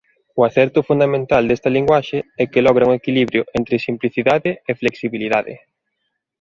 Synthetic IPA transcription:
ʊaθɛɾt̪ʊfund̪amẽnt̪ald̪est̪ɐliŋɡwaʃeɛkɪlɔɣ̞ɾauŋekiliβɾjʊʔɛnt̪ɾɪsimpliθiðaðɪːfleksiβiliðaðɪ̰

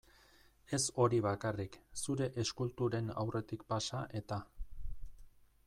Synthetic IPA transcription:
e̞so̞ɾiβ̞akariksuɾe̞ʔeskult̪uɾe̞na̰wre̞t̪ikpasaʔe̞t̪a

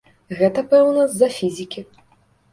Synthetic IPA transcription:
ɣɛt̪ɐpɛwnɐzɐfʲizʲikʲi

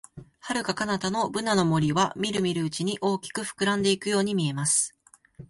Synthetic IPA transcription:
haɾɯ̟kakanat̪ano̞bɯ̟nano̞mo̞ɾʲiβamʲiɾɯ̟mʲiɾɯ̟ɯt͡ɕiɲ̟iʔo̞ːkʲi̥kɯ̟ɸɯ̥kɯ̟ɾãnd̪e̞ikɯ̟jo̞ːɲ̟imʲie̞masɨ̥

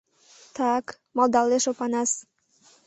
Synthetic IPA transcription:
t̪ɑk | mɑld̪ɑlːeʃopɑnɑs

